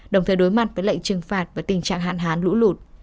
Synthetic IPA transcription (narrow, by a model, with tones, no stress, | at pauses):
ɗə˨˩wŋ͡mt̪ʰəː˨˩jɗo˨˦jma˨˩t̚vəː˨˦jlə̰˧˨jŋt͡ɕɨ˨˩ŋfaː˨˩t̚vaː˨˩t̪ï˨˩ŋ̟t͡ɕa̰ː˧˨ŋɦa̰ː˧˨nɦaː˨˦nlṵ˧˥lu˨˩t̚